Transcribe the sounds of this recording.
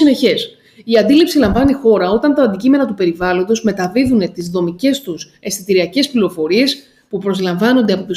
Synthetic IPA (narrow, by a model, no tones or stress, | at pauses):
ine̞çe̞s | iɐnd̪ilipsilɐɱvɐnixo̞ɾɐo̞t̪ɐnt̪ɐːnd̪icime̞nɐt̪upe̞ɾivɐlo̞nd̪o̞zme̞t̪ɐviðune̞t̪izðo̞mice̞st̪use̞st̪it̪iɾiɐce̞spliɾo̞fo̞ɾie̞s | pupɾo̞zlɐɱvɐno̞nd̪e̞ɐpo̞t̪u